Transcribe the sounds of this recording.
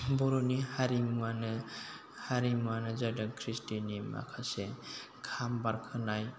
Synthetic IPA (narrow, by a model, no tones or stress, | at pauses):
bɔɾɔnihaɾimuanɯ | haɾimuanɯzadankʰɾistinima̰kʰase | kʰambaɾkʰɯnaj